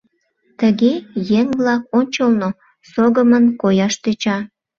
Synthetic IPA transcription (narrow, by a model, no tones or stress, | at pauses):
t̪əɣejeŋβlɑkonʲt͡ɕəlno | soɣəmənkojɑʃt̪øt͡ɕɑ